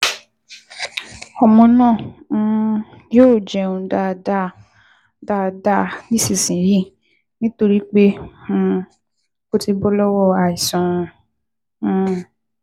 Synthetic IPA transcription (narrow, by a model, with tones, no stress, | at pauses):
ɔ˨mɔ̃˧nãː˦˨˦ | joː˦˨d͡ʒɛ˨ũ˧da˧˨da˦˨ | da˧˨da˦˨nĩ˦si˨sĩ˨ji˦˨ | nĩ˦to˧ɾi˦k͡pẽ˦˧ | ko˦ti˧bɔ˦lɔ˦wɔ˦˨a˨i˨sɔ̃˨˧˦